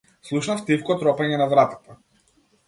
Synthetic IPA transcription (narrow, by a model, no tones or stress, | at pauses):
slˠuʃnaft̪ifkɔt̪ɾɔpaɲɛnavɾat̪ḁt̪a